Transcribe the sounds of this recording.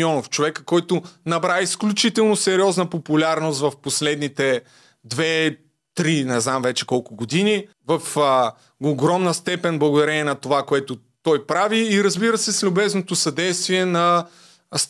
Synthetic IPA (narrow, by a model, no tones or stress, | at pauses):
ɔnoft͡ʃovɛkə̥kɔjt̪ʊnɐbɾaisklʲut͡ʃit̪ɛlˠnosɛɾiɔznəpopulʲaɾnost̪vɐfposlɛd̪nit̪ɛ | d̪vɛ | t̪ɾinɛznamvɛt͡ʃɛ̥kɔlˠkʊɡod̪ini | vɐfː | ɡɾɔmnəst̪ɛpɛnblˠɐɡʊd̪ɐɾɛnʲɛnɐt̪ovakoɛt̪ʊ | t̪ɔjpɾaviːɾɐzbiɾəsɛslʲʊbɛznot̪ʊsɐd̪ɛjst̪viɛnɐ | s